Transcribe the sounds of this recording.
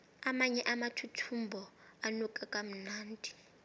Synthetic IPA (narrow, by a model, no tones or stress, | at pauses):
amaɲɛʔamatʰutʰumbʱɔanɔkʼakʼam̩naːndʱi̥